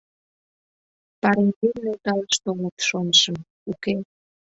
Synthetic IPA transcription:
pɑɾend̪emnelt̪ɑləʃt̪omət̪ʃonəʃə̆m | uke

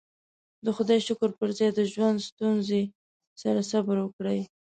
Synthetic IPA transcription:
d̪əxʊd̪ɑjʃʊkəɾpəɾzɑjd̪əʒwand̪st̪unze | saɾasabəɾwəkɽəj

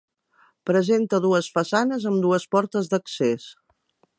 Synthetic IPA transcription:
pɾəzent̪əðuəsfəsanəzəmd̪uəspɔɾt̪əzd̪əkses

